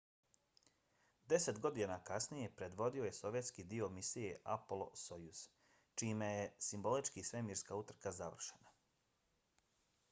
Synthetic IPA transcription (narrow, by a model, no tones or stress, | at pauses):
d̪e̞se̞t̪ɡo̞d̪inakasnije̞pɾe̞d̪ʋo̞d̪io̞je̞so̞ʋjet̪skid̪io̞misije̞ʔaplˠo̰so̞jus | t͡ʃiːmeje̞simbo̞lit͡ʃkisʋe̞miːɾskaut̪r̩kazaʋr̩ʃena